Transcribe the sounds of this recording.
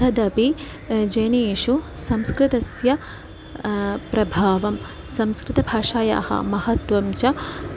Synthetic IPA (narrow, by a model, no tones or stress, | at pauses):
ɐd̪ɐpi | d͡ʒɐjneːʃusɐmskɾɪt̪ɐsjɐ | pɾɐbʱaːʋɐm | sɐmskɾɪt̪ɐbʱaːʂaːja̰ːhɐ̰mɐhɐt̪ʋɐmt͡ʃɐ